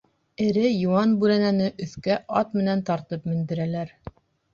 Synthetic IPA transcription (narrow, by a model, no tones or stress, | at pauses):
ɘ̆ɾɘjuɑnbʉɾænænɘʔɵ̆θkæʔɑt̪mɘ̆nænt̪ɑɾt̪ɤpmɘ̆nd̪ɘ̆ɾælæɾ